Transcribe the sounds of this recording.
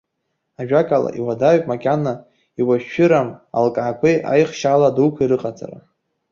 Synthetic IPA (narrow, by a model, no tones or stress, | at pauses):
aʒᶣakʼala̰ʔiwadaɥpʼmakʲʼana | iwaʃːɨɾama̰lkʼaːkʷʰejʔa̰jχʃaladuwkʷʰiɾɨqʼat͡sʼa̰ra̰